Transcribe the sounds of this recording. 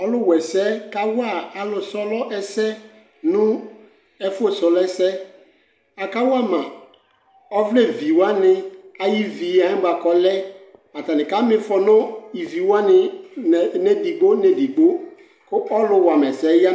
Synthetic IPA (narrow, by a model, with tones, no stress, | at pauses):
ɔ˦lʊ˦wɛ˨sɛ˦ka˦wʊ˦a˨a˨lʊ˨sɔ˦lɔ˦ʔɛ˦sɛ˦ | nʊ̃˦ | ɛ˦fo˦sɔ˨lɛ˦sɛ˦ | a˨ka˦wʊ˦a˦˨mã˨ | ɔ˦vlɛ˦˨vi˨wa˦nɪ̃˨a˨ji˦vi˨a˨ɪ̃˦ba˨kɔ˨lɛ˦a˨ta˨nɪ̃˨ka˦mɪ̃˦fɔ˨nʊ̃˦i˨vi˨wa˦nɪ˨ | nɛ˦di˨ɡ͡bo˦nɛ˨di˨ɡ͡bo˦ | kʊ˦ʔɔ˦lʊ˦wa˨mɛ˨sɛ˨˦ja˦